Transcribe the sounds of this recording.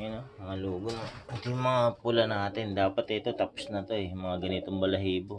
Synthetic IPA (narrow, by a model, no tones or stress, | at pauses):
jɐnomɐŋaluːɡomɐt̪ojʊŋmɐŋapʊlɐnaːt̪ɪnd̪aːpɐt̪ɛt̪o̞t̪aposnɐt̪o̞jŋmɐŋaɡɐnɪt̪oŋbɐlɐɦiːbo